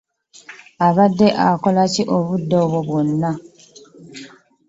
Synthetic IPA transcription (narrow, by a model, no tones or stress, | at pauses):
aβadːeʔakolaciʔoβudːoβoβwonːa